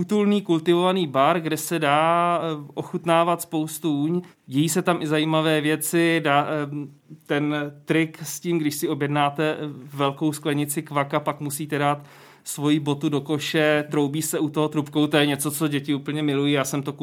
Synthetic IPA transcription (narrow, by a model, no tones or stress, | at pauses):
ut̪ulniːkult̪ɪvo̞vaniːbaɾɡdɛsɛdaːʔoxut̪naːvat̪spo̞wst̪uuːɲ | ɟɛjiːsɛt̪amʔɪzajiːmavɛːvjɛt͡sɪdaː | t̪ɛnt̪ɾɪksciːmɡdɪʃsɪo̞bjɛdnaːt̪ɛvɛlko̞wsklɛɲɪt͡sɪkvakapakmusiːt̪ɛdaːt̪ | svo̞jibo̞t̪udo̞ko̞ʃɛt̪ɾo̞wbiːsɛut̪oɦot̪ɾupkowt̪o̞jɛɲɛt͡so̞t͡soɟɛcɪuːpl̩ɲɛmɪlujiːjaːsɛmt̪o